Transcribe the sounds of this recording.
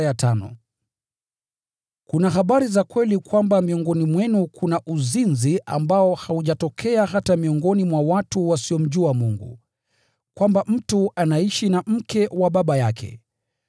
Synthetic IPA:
jatʰanɔ̰ | kunaɦaɓaɾizakwɛlikwambamiɔŋɡɔnimwɛnukʰunaʔuzinzia̰mbaɔhauʄatɔkʰɛaɦatamiɔŋɡɔnimwawatuwasiɔm̩ʄuamuŋɡṵ | kwambam̩tuanaiʃinam̩kɛwaɓaɓajakʰɛ̰

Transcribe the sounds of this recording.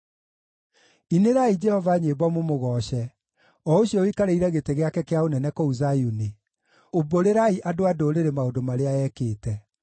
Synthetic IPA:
ineɾaid͡ʒɛhɔvaɲeːbɔmomoɣɔɕɛ | ɔoɕjɔikaɾeiɾɛɣeteɣeakɛkeaonɛnɛkouzajuni | oboɾeɾaiʔadoadoɾeɾemaodomaɾeaɛkeːtɛ

